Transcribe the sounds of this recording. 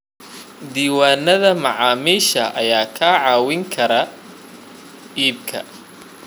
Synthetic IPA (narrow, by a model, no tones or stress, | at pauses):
d̪iːwaːnɐðɐmɑʕɑːmiːʃɐʔɐjaːkʰaːʕɑːwɪŋkʰɐɾɐ | iːb̚kʰɐ̰